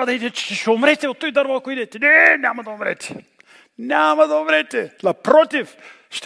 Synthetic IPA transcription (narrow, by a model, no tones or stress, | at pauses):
ɐd̪at̪ɛt͡ʃɛ̥ʃɛʃɛomɾɛt̪ɛvot̪ːɔjd̪aɾvakoid̪ɛt̪ɛnɛnʲamɐd̪ɐomɾɛ̰t̪ʲɛ̥ | nʲamɐd̪ɐomɾɛt̪ɛnɐpɾɔt̪if | ʃt̪